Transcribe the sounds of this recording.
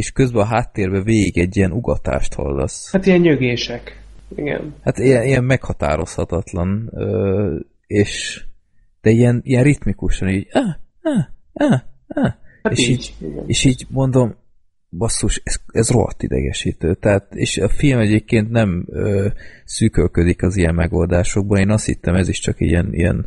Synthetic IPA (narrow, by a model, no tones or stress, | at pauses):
eːʃkøzbɛɒɦaːt̪ːeːrbɛveːɡiɡɛɟːijɛnuɡɒt̪a̰ːʃt̪hɒ̰lːɒ̰shat̪ijɛɲɲøɡeːʃɛkiɡɛ̰nhat̪ijɛniɛmmɛkhɒt̪a̰ːɾo̞shɒt̪ɒt̪lɒnøː | eːʃ | d̪̥ɛijɛnijɛnrit̪mikuʃɒniːɟaː | aː | aːaːaeːʃiːɟiɡɛ̰neːʃiːɟmo̞nd̪o̞m | bɒsːuːʃɛzɛzro̞ɦɒ̰t̪ːḭd̪ɛ̰ɡɛ̰ʃiːt̪øːt̪ɛɦaːt̪ḛːʃɒfilmɛɟeːp̚keːnt̪nɛmøːsyːkølkød̪ikɒzijɛmːɛɡo̞ld̪aːʃo̞ɡ̚bɒneːnɒst̪hḭt̪ːɛmɛziʃt͡ʃɒkḭɛnḭjɛ̰n